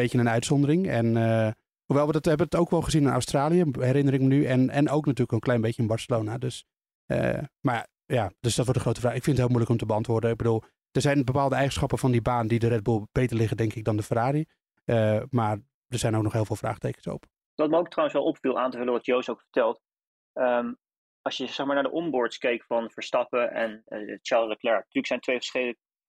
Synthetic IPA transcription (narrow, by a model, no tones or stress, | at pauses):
eənənœɥtsɔndərɪŋɛnə | huʋɛjlˠʋədɔthɛbəntowkʋɔlˠχəzinɪna̰wstraːlijəhɛɾɪnərɪkmənyʔɛnɛnowknatyːləkənklɛjnbejçənɪnbɑɹsəloːnadøs | ə̰ma | jad̥øsd̥ɔtʋɔɹtəχrowtəfraːxɪkfɪndətɦɪːlˠmujləkɔmtəbəɑntʋʊːrdənɪɡ̚bədulˠ | d̥ərzɛjnbəpaːlˠdəɛjχənsχɑpənfɔndibaːnəndidəɾɛd̚bulˠb̥ejtəɹlɪχədɛŋkɪɡ̚dɑndəfəraːɾi | əmaːr | dəɹz̥ɛjnoʊknɔχɦɪːlˠvɪːlˠfra̰ːχtejkənso̰p | ʋɑtməowktrawənsʋɛlˠʔɔpfilˠʔaːntəvɵləʋɑtjowsowkfə̥ɹtɛlˠt | əm | ɑsjəzɛχmaːnaːdə̰ʔɔmbʊɹtskejkfɑnvəɹstɑpəʔɛ̰nt͡ʃaːɹlləklɛɹtyːɹləksɛjntʋejfəɹsχeələk̚